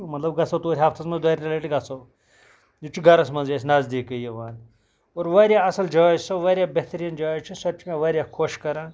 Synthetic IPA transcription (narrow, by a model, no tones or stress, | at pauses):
mɐt̪lɐbɡɐsɐwt̪oːɾʲɦaːft̪ʰɐsmɐnzd̪ɐːɾʲt̪ɐlɐʈiɡɐsow | jit͡ʃʰuɡɐɾɐsmɐnzjesʲnaːzd̪eːkɐjɐʋaːn | oːɾʋaːɾjaːɐsɐld͡ʒaːsɐʋaːɾʲjaːbeht̪ɾiːnd͡ʒaːt͡ʃʰisɐt͡ʃmẽʋaːɾʲjaːkʰoʃkɐɾãːn